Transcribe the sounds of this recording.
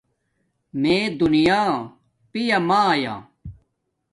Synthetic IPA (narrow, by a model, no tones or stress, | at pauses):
mẽːd̪unijaː | pijamaja̰ː